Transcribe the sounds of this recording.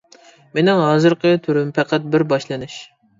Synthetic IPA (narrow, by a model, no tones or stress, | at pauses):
menɪŋɦɑːzɨɾqʰət̪ʰyɾympʰɛqʰæt̪̚bɪɾbɑʃlˠɨnɪʃ